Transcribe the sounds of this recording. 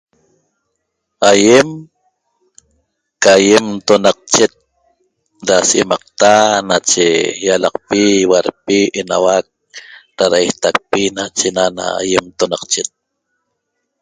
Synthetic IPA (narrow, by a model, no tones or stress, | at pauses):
ajem | kajemt̪onɑq̚t͡ʃet̪̚ | ɾasḛmɑq̚t̪anat͡ʃejalɑqpiwaɾpiʔenawak̚ | ɾaɾajht̪ak̚pinat͡ʃenana̰a̰jemt̪onaqt͡ʃet̪̚